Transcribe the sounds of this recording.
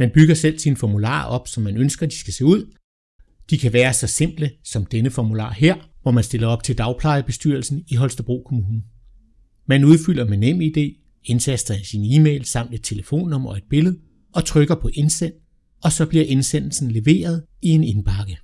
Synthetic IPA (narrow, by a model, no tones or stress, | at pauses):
mænb̥yɡ̥ɐsel̰sinfɒmulɑ̰̈ːɒ̽b̥sɒ̽mːænønsɡ̥ɐd̥i̥sɡ̥æse̝̰ːuð̰ˠ | d̥ikʰæʋæːɐsɒ̽se̝m̰b̥ləsɒ̽md̥enəfɒmulɑ̰̈ːɦeɐ̰ʋɒmænsd̥e̝lɐɒ̽b̥t͡sʰe̝ld̥ɑ̈ʊpʰlɑ̈ɪəb̥e̝sd̥yɐlsn̩iɦɒ̽lsd̥əb̥ʁo̝̰ːkʰo̝muːnn̩ | mænuð̞ˠfyl̰ɐmenem̰əid̥e̝̰ː | e̝nsʰæsd̥ʁɐsiniːmḛːlsɑ̈m̰nd̥e̝d̥̚t͡sʰe̝ləfo̝̰ːnːɒ̽mɒ̽e̝d̥̚b̥e̝ləð̩ˠ | ɒ̽t͡sʰʁœɡ̥ɐpʰɒ̽ʔe̝nsen̰ | ɒ̽sɒ̽b̥liɐʔe̝nsen̰l̩sn̩le̝ʋe̝̰ːɐðˠ | ie̝ne̝nb̥ʰɑ̈ɡ̥ə